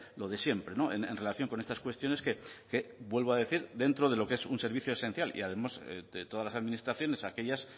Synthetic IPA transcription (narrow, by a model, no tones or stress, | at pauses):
lo̞ð̞e̞sje̞mpɾe̞no̞ḛnḛnre̞laθjo̞ŋko̞ne̞st̪askwe̞st̪jo̞ne̞skeke̞bwe̞lβo̞aðe̞θiɾd̪e̞nt̪ɾo̞ð̞e̞lo̞ke̞sunse̞ɾβ̞iθjoese̞n̟θjalḭaðe̞mast̪o̞ð̞alasaðminist̪ɾaθjo̞ne̞sake̞ʝas